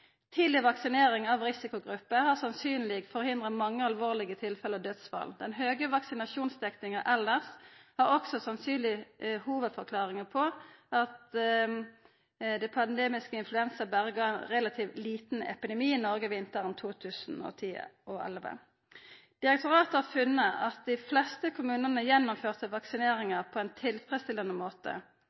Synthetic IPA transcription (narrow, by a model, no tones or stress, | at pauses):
t̪ʰiːd̪lɪʋɑksɪneːʁɪŋɑʋʁɪsɪkʊɡʁʉpːəhɑʁsɑnsyːnlɪɡfɔʁhɪnd̪ʁəmɑŋːəɑlʋoːʁlɪɡət̪ʰɪlfɛləɔd̪œt̪sʋɑ̰ld̪ɛnɦøːɡəʋɑksɪnɑʃuːnsd̪ɛknɪŋəʔɛlːəʁshɑʁɔksɔsɑnsyːnlɪhuːʋəd̪fɔʁkʰlɑːʁɪŋəpʰɔɑt̪ | d̪ɛpʰɑnd̪eːmɪskəɪnflʉɛnsəbæːɾəɡɑːɛnʁɛlɑt̪ʰiːʋliːt̪n̩ɛ̰pɪd̪ɛmiːɪnɔʁɡəʋɪnt̪əʁənt̪ʰuːt̪ʰʉːsn̩ɔ̰t̪ʰḭːʔɔɛ̰lʋə̰ | d̪̥ɪʁɛk̚t̪ʊʁɑːt̪əhɑfʉnːəʔɑt̪̚d̪ɪflɛst̪əkʰʊmʉːnənəjɛnːʊmføːʁt̪əʋɑksɪneːʁɪŋəʁpʰɔɛnt̪ʰɪlfʁɛst̪ɪlɑnəmoːt̪ə̰